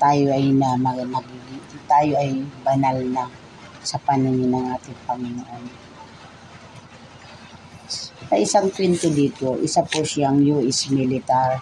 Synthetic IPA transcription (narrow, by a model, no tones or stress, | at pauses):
t̪aːjoʔɐjnɐmɐnɐɡiɡɪŋt̪aːjoʔɐjbɐnalnɐ | sɐpɐnɪŋnɐŋʔaːt̪ɪŋpɐŋɪnʊʔon | sɐʔɪsaŋkwɪnt̪od̪iːt̪o̞ʔɪ̰saposaŋjuːʔɪsmɪlɪt̪aɾ